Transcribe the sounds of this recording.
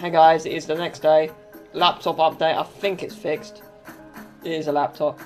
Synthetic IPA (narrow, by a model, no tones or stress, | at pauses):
haɡaɪzɪtɪzðənɛksd̥eɪ | lap̚tʰɒpʌp̚d̥eɪta̰ɪθɪ̃ŋkɪtsfɪkst | ɪtɪzəlap̚tʰɒp̚